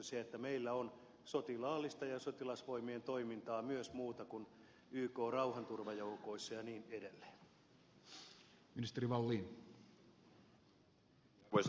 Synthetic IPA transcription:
siɑet̪ːæmeilːæon | sot̪ilɑːlːist̪ɑjɑsot̪ilɑsʋoimient̪oimint̪ɑːmyøsmuːt̪ɑkun | yːkoːrɑuhɑnt̪urʋɑjoukoisːɑjɑniːnedelːe̥ːn | minist̪eɾiʋɑlːiːn | ʋos

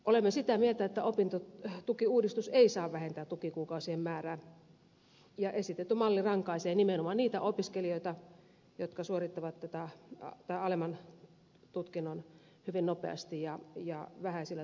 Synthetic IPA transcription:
ʔolemːesit̪æmielt̪æet̪ːæopint̪ot̪ukiuːdist̪useisɑːʋʋæhent̪æt̪ukikuːkɑˑusiemmæːræːn | jɑʔesit̪et̪ːymɑlːirɑŋkɑiseːnimenomɑniːt̪æ̰ʔopiskelioˑit̪ɑ | jot̪kɑsuorit̪ːɑʋɑt̪tːæt̪æt̪ɑiɑlemɑn | t̪ut̪kinːon | hyʋinnopḛɑ̰st̪ijjɑjɑʋæhæsilːæ

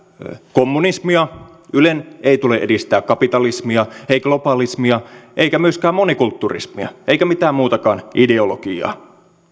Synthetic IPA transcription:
komːunismiɑ | yleneit̪uleʔedist̪æːkkɑpit̪ɑlismiɑeiɡ̥lopɑlismiɑʔeikæmyøskæːmonikult̪ːurḭsmḭɑ̰ʔeikæmit̪æːmmuːt̪ɑkɑ̰ːnʔideolokiɑ̰ː

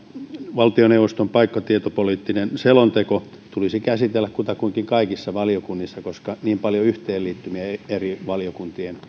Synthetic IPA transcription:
ʋɑlt̪ioneuʋost̪ompɑikːɑt̪iet̪opoliːt̪ːinenselont̪eko | t̪ulisikæsit̪elːækkut̪ɑkuiŋkiŋkɑikisːɑʋɑliokunːisːɑkoskɑniːmpɑljoyht̪eːlliːt̪ːymiæeriʋɑliokunt̪ien

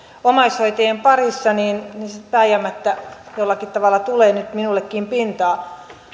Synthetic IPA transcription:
omɑishoit̪ejempɑrisːɑniːnnisepæijæmːæt̪ːæjolːɑkit̪t̪ɑʋɑlːɑt̪uleːnyt̪minulːekːiːmpint̪ɑː

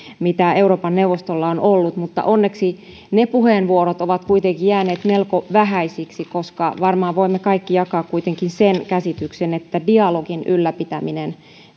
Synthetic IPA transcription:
mit̪æeuroːpɑnːeuʋost̪olːɑonolːut̪mut̪ːɑ̰ʔonːeksi | nepuheˑnʋuoɾot̪oʋɑt̪kuit̪eŋkijæːneːt̪melkoʋæɦæisiksikoskɑ̰ʋɑrmɑːʋoimːekɑikːijɑkɑːkkuit̪eŋkinsenkæsit̪yksenet̪ːædiɑloɡinʔylːæpit̪æminen

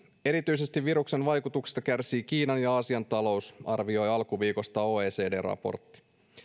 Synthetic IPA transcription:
e̞ɾit̪yjse̞st̪iʋʋiɾukse̞nʋɑjkut̪uksi̥st̪ɑkærsiːkiːnɑnjɑɑsiɑnt̪ɑlo̞usɑrʋio̞jɑlkuʋiːko̞st̪ɑoːeːse̞ːde̞ːrɑ̰po̞̰rt̪ːi̥

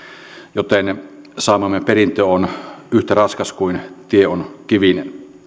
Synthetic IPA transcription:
jot̪en | sɑˑːmɑmːemperint̪ˑøːonyht̪ærɑnskɑskuint̪ieonkiʋin

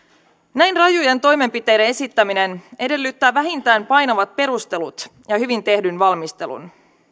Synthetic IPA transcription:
næjnrɑjujent̪o̞jme̞mpit̪e̞jde̞e̞sit̪ːæmine̞ne̞de̞lːyt̪ːæːʋæɦint̪æːnmpɑjnoʋɑt̪̚pe̞ɾust̪e̞lut̪jɑhyʋint̪e̞hdynʋɑlmist̪e̞̰lṵn

